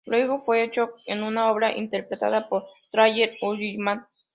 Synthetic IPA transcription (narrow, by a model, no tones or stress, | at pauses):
lweɣofweet͡ʃokenunaoβɾaʔḭnt̪eɾpɾet̪a̰ðapoɾt̪ɾajeɾoʎijmãn